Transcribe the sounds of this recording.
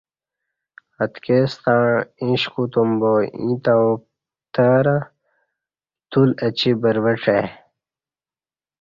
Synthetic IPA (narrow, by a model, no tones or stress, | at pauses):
ɐt̪kest̪ãːĩɕkut̪umboḭ̃t̪aup | t̪ɐɾa | t̪ulɐt͡ɕibɐɾwəʈ͡ʂe